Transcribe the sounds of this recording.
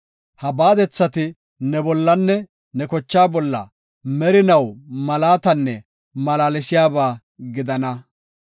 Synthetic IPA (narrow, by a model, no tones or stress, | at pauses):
hɐbaːd̪ɛt͡sːɐt̪ɪ | nɛbɔlːɐnːɛ | nɛkɔt͡ʃːaːbɔlːɐ̰ | mɛɾɪnɐwmɐlaːt̪ɐnːɛ | mɐlaːlɪsɪjaːbaː | ɡɪd̪ɐnɐ